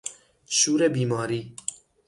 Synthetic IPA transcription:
ʃuːɾebiːmɑːɾiː

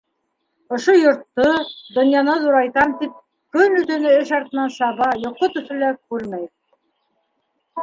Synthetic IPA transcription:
ŏʃojŏɾt̪ːod̪ŏnjɑnɤðuɾɑjt̪ɑmt̪ip̚ | kɵnɵ̆t̪ɵ̆nɘɘʃɑɾt̪ɤ̆nɑnsɑβɑjŏqːot̪ɵ̆θɵ̆lækʉɾmæj

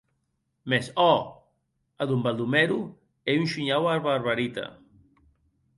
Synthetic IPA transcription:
mesɔ | aðumbalˠd̪umɛɾu | eunʲʃuɲawaɾβaɾβaɾit̪ɐ̰

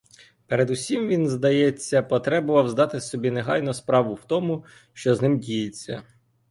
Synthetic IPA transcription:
peɾed̪ʊsʲimʋʲinzd̪ɐjɛt͡sʲːɐpɔt̪ɾɛbɔʋɐwzd̪ɑt̪ɪsɔbʲineɦɑjnɔspɾɑʋʊwt̪ɔmʊ | ʃt͡ʃɔznɪmdʲijet͡sʲːɐ̰

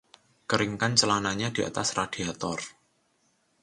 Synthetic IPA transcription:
kəɾɪŋkant͡ʃəlanaɲad̥iʔa̰t̪asrad̥iat̪ɔr

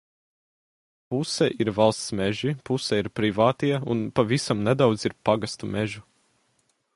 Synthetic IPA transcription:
pusɛʔiɾvalˠst̪smɛʒipusɛiɾpɾivaːt̪iɛunpavisamnɛd̪awd̪ziɾpaɡast̪umɛʒu

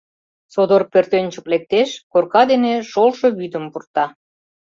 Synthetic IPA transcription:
sod̪orpørt̪ønʲt͡ɕə̥̆klek̚t̪eʃkorkɑd̪eneʃolʃo̽βyd̪ə̆mpurt̪ɑ

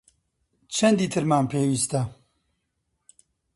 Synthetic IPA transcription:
t͡ʃʰɐnd̪iːt̪ʰɨɾmaːmpʰeːwiːst̪ɐ

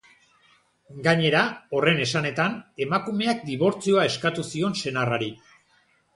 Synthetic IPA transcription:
ɡaɲe̞ɾao̞re̞ne̞sane̞t̪ane̞makume̞ak̚d̪iβo̞ɾt͡sio̞ae̞skat̪usio̞nse̞naraɾi

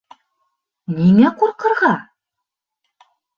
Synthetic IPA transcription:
nimequɾqɤ̆ɾʁɑ

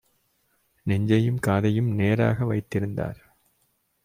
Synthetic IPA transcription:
nɛɲd͡ʒɐjɯmkaːðɐjɯmneːɾa̰ːɣɐʋɐɪt̪ːɪɾɯnd̪a̰ːɾ

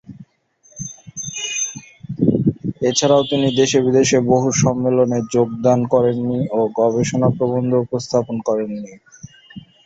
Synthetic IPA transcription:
et͡ɕʰaɾaot̪inid̪eʃebid̪eʃeboɦuʃɔmːeloneɾd͡ʑoɡ̚d̪ankɔɾenːioɡɔβeʃonapɾobond̪ʱopɾost̪ʰaponkɔɾenːi

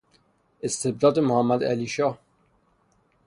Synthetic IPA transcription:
est̪ʰeb̚d̪ɒːd̪emohæmːæd̪æ̰liːʃɒːh

